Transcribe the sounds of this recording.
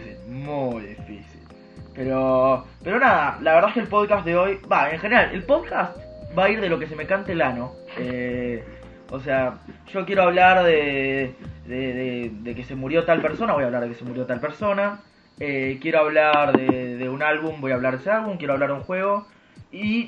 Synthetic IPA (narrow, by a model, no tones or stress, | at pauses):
simujðifḭsil | peɾo | peɾo̞naðalaβeɾðaskelpo̞ðkas̚ðeo̞jbaeŋxeneɾalʔe̞̰lpoðkast̪baiɾðe̞lo̞kes̬e̞mekant̪elano̞ | e | oseaʒok̬je̞ɾoaβlaɾðe | ðeðeðekese̞muɾjo̞t̪alpeɾso̞naβo̞jaβlaɾðekese̞muɾjo̞t̪alpeɾso̞na | ekje̞ɾo̞aβlaɾðeðeunalβumbo̞jaβlaɾðesealβumkʲje̞ɾoaβlaɾðeuŋxwe̞ɣ̞o̞ | i